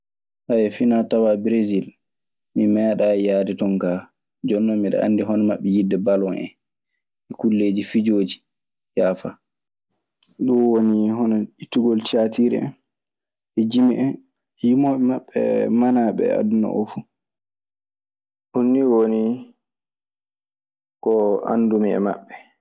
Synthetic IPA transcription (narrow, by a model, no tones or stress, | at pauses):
ʔajɛfinatawabɾezil | mimɛːɗajaːditɔŋka | d͡ʒɔnːɔmiɗa̰ʔa̰nːdiɦɔnmaɓːɛjidːɛbalwɔnɛ̰n | ʔɛkulːeːd͡ʒifid͡ʒoːd͡ʒi̥ | jaːfa | ɗɔwonihɔnɔitːuɡɔlt͡ʃatiɾɛ̰a̰n | ɛd͡ʒimiʔɛn | jimɔɓɛmaɓːɛ̰manaɓɛ̰a̰dunɔ̰ʔɔ̰fu | ʔunːiwoni | kɔa̰ndumiɛ̰ma̰ɓːɛ